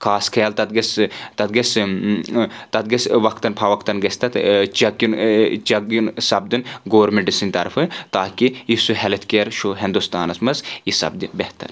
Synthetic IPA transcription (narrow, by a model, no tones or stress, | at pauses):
kʰaːskʰɐjɐlt̪ɐt̪̚ɡɐst̪ɐt̪̚ɡɐs | t̪ɐd̪̚ɡɐsʋɐkt̪ɐnpʰaʋɐkt̪ɐnɡɐsʲt̪ɐt̪t͡ʃɐkːint͡ʃɐkinsɐb̚d̪inɡoːɾmeɳʈisinʲt̪ɐɾfʰɨt̪aːkijisuɦɛlɐt̪ʰkeːɾʃoɦend̪ust̪aːnɐsmɐsjisɐ̰b̚d̪inbeht̪ɐ̰ɾ